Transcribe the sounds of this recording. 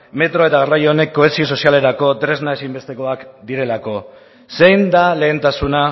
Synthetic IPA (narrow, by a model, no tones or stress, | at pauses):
me̞t̪ɾo̞e̞t̪aɣarajone̞kːo̞esio̞s̬o̞siale̞ɾako̞t̪ɾe̞znaesimbe̞st̪e̞ko̞akd̪iɾe̞lako̞ | sejnd̪ale̞ːnt̪asuna